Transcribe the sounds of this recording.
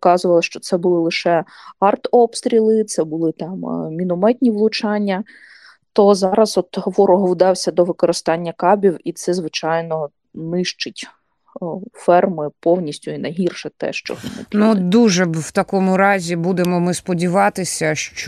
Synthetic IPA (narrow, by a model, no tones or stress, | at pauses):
kɑzʊʋɐlˠɐʃt͡ʃɔt̪sɛbʊlˠɪlˠɪʃɛɑrt̪ɔpst̪ɾʲilˠɪt̪sɛbʊlˠɪt̪ɑmmʲinʊmɛt̪ʲnʲiʋlˠʊt͡ʃɑnʲːɐ | t̪ɔzɑɾɐzɔt̪ɦɔʋɔɾɔɦɔwd̪ɑwsʲɐd̪ɔʋɪkɔɾɪst̪ɑnʲːɐkɑbʲiwit̪sɛzʋɪt͡ʃɑjnɔ | nɪʃt͡ʃɪtʲ | fɛrmɪpɔwnʲisʲtʲʊinɐjɦirʃɛt̪ɛ̰ʃt͡ʃɔ̰ɦmɐ̰nud̪uʒɛwt̪ɐkɔmʊɾɑzʲibud̪emɔmɪspɔdʲiʋɑt̪ɪsʲɐʃt͡ʃ